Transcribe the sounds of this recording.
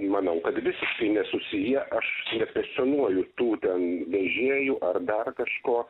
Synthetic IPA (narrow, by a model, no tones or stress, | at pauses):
mɐnɐʊkɐt̪ʋʲɪsʲɪʃkɐɪnʲɛsʊsʲɪjɛʔɐʃnʲɛpʲɛsʲt̪ʲonuɔjʊt̪uːt̪ʲɛnʋʲɛʒʲeːjʊʔɐrd̪ɐrkɐʃkoː